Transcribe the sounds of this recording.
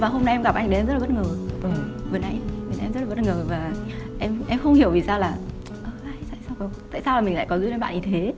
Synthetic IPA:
vaː˨˩ɦo˧mna˧ʔɛ˧mɣa˨˩p̚ʔa˧jŋɗɛ˧zə˦˥t̚ːɓt̚ŋəː˨˩ə˨˩ve˨˩nʔa˧jve˨˩nʔɛ̰˧mzə˦˥la˨˩˦t̚ŋəː˨˩vaː˨˩ʔɛ˧mʔɛ˧mxə˧wŋ͡mhi˨˩əwvi˨˩saː˧wlaː˨˩ | ʔəː˧˩a˧˩sa̰˧˨sa˧wkɔ˨˦ŋ͡mt̪a̰ː˧˨jsaː˧wlaː˨˩mi˨˩ŋ̟la̰ː˧˨kɔ˨˦zu˧jɗe˧˦ɓa̰ː˧˨ɲi˧˨˩t̪ʰe˨˦

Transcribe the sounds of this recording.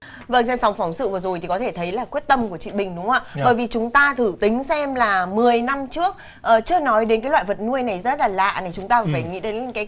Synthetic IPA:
və˧˩ŋsɛ˧msa˨˦wŋ͡mfa˨˦wŋ͡msɨ̰˧˨vɨ˨˩zo˨˩jt̪ʰi˨˩kɔ˨˦t̪ʰe˧˩t̪ʰə˨˦jlaː˨˩kwi˦˥ət̚t̪ə˧mku˧˩ət͡ɕḭ˧˨ɓï˨˩ŋ̟ɗʊ˨˦ŋ͡mʔaː˧˨ɓəː˧˩jvi˨˩t͡ɕʊ˨˦ŋ͡mt̪aː˧t̪ʰɨ˧˩t̪ï˨˦ŋ̟sɛ˧mlaː˨˩mɨ˨˩əjna˧mt͡ɕɨ˦˥ək̚ | ʔəː˨˩t͡ɕɨ˧ənɔ˨˦jɗe˨˦nkaː˨˦lwaː˧˨jvə˨˩t̚nu˧əjna˨˩jzə˦˥t̚laː˨˩la̰ː˧˨na˨˩jt͡ɕʊ˨˦ŋ͡mt̪aː˧˩faː˧˩jŋḭ˧˥ɗe˨˦n˨˦kaː˨˦

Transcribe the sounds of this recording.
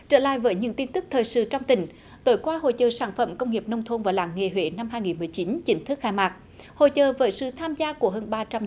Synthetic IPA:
t͡ɕəː˧˩la̰ː˧˨jvəː˨˦jɲɨ̰˧˥ŋt̪i˧nt̪ɨ˦˥k̚t̪ʰəː˨˩jsɨ̰˧˨t͡ɕɔ˧wŋ͡mt̪ï˨˩ŋ̟ | t̪o˧˦jkwaː˧ho̰˧˨jt͡ɕəː˨˩saː˧˩nfə̰˧˩mkə˧wŋ͡mŋi˨˩əp̚nə˧wŋ͡mt̪ʰo˧nvaː˨˩wla̰ː˧˩˦ŋŋe˧˩ɦwḛ˧˦na˧mɦaː˧jŋi˨˩nmɨ˨˩əjt͡ɕi˨˦nt͡ɕï˨˦ŋ̟t̪ʰɨ˦˥k̚xaː˧jmaː˨˩k̚ | ho̰˧˨jt͡ɕəː˨˩vəː˨˦jsɨ̰˧˨t̪ʰaː˧mzaː˧ku˧˩əɦəː˧nɓaː˧t͡ɕa˧m

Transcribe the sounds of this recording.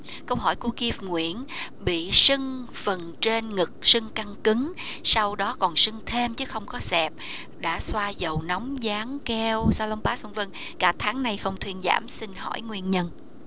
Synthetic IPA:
kə˧wɦɔ˧˩jku˧˩əki˧fŋwḭ˧˨ən | ɓḭ˧˨sɨ˧ŋ | fə˨˩nt͡ɕe˧nŋɨ˨˩k̚sɨ˧ŋka˧ŋkɨ˨˦ŋ | sa˧wɗɔ˨˦kɔ˨˩nsɨ˧ŋt̪ʰe˧mt͡ɕɨ˨˦xə˧wŋ͡mkɔ˨˦sɛ˨˩p̚ | ɗa̰ː˧˥swaː˧zə˨˩wnɔ˨˦wŋ͡mzaː˨˦ŋkɛ˧wsaː˧lə˧wŋ͡mpaː˨˥sə˧ŋvə˧ŋ | kaː˧˩t̪ʰaː˨˦ŋna˨˧˩jxə˧wŋ͡mt̪ʰwi˧ənza̰ː˧˩msï˧ŋhɔ̰˧˩jŋwi˧ənɲə˧n

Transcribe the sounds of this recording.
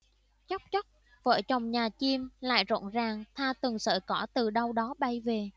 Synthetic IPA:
t͡ɕɔ˦˥k͡p̚t͡ɕɔ˦˥k͡p̚ | və̰ː˧˩t͡ɕɔ˨˩wŋ͡mɲaː˨˩t͡ɕi˧əmla̰ː˧˨jzo̰˧˨nzaː˨˩ŋt̪ʰaː˧t̪ɨ˨˩ŋsə̰ː˧˨˩kɔ˧˩t̪ɨ˨˩ɗə˧wɗɔ˨˦ɓa˧jve˨˩

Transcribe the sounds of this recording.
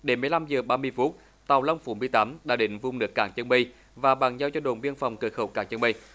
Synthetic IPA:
ɗe˨˦nmːɨ˧jla˧mzəː˨˩ɓaː˧mɨ˧əjfu˦˥t̚ | t̪a˨˩wla˧wŋ͡mfu˧˩mɨ˧əjt̪aː˨˦mɗaː˧˥ɗï˧˨ŋ̟vʊ˧ŋ͡mnɨ˨˦˥əkːaː˧˩ŋt͡ɕə˧nɓə˧j | vaː˨˩ɓaː˨˩ŋza˧wt͡ɕɔ˧ɗo˨˩nɓi˧ənfwŋ͡mkəː˨˩xə˧˩wkaː˧˩ŋt͡ɕə˧nɓə˧j

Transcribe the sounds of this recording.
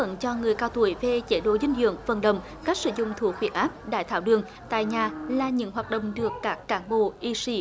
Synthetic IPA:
ə̰˧˨nt͡ɕɔ˧ŋɨ˨˩əjkaː˧wt̪u˧˩əjve˨˩t͡ɕe˨˩ɗo˧˦zï˧ŋ̟zḭ˧˨əŋvə̰˧˨nɗə̰˧˨wŋ͡m | ka˦˥k̚sɨ̰˧˦zʊ̰˧˨ŋ͡mt̪ʰu˧˩ək̚fwi˨˧˩ʔaː˦˥p̚ɗa̰ː˧˩jt̪ʰaː˧˩wɗɨ˨˩əŋ | t̪a̰ː˧˨jɲaː˨˩laː˨˩ɲɨ̰˧˥ŋɦwaː˨˩t̚ɗə̰˧˨wŋ͡mɗɨ˨˩əkːaː˦˥kːaː˧˩˦nɓo̰˧˨ʔi˧si˨˦

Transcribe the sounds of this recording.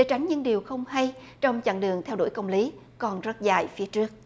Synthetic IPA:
ɗe˨˦t͡ɕa˨˦jŋ̟ɲɨ̰˧˥ŋɗi˨˩əwxə˧wŋ͡mha˧j | t͡ɕɔ˧wŋ͡mt͡ɕa̰˧˩nɗɨ˨˩əŋt̪ʰɛ˧wɗo̰˧˩jkə˧wŋ͡mli˨˦ | kɔ˨˩nzə˦˥t̚za̰ː˧˨jfi˨˦ət͡ɕɨ˦˥ək̚

